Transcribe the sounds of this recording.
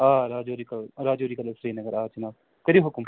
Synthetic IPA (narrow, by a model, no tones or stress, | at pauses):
aːɾaːd͡ʒoːɾikɐlɾaːd͡ʒoːɾiːkɐlɐsɾeːnɐɡɐɾaːt͡ʃɐnaːb | kɐɾiːɦʊkʊm